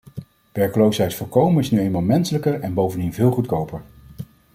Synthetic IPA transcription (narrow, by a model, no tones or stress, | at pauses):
ʋɛɹkəlowsɦɛjtfʊɹkowmənɪsnyejmalˠmɛnsələkəɹɛnbowvəndinvɪːlˠχutkowpəɹ